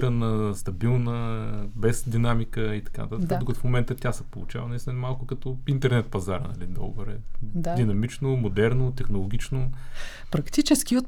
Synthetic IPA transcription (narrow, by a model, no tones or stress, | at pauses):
ɾɐnəst̪ɐbilˠnəbɛsd̪inamikəit̪ɐ̥ka̰n̰t̪at̪k̪d̪oɡɐt̪ʊfmomɛnt̪ət̪ʲjasəpolˠut͡ʃa̰vənɐist̪ʲinɐmalˠkʊkɐt̪ɔint̪ɛɾnɛt̪̚pɐzaɾə̰nɐ̰lid̪ɔ̰bəɾɛ̰d̪d̪inɐmit͡ʃnomod̪ɛɾnot̪ɛxnolˠoɡʲit͡ʃno | pɾɐkt̪it͡ʃɛskʲiot̪